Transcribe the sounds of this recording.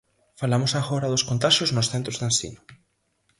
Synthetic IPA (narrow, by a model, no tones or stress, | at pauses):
falamosaɣoɾɐðʊskont̪aʃjoznosθent̪ɾozðẽnsḭno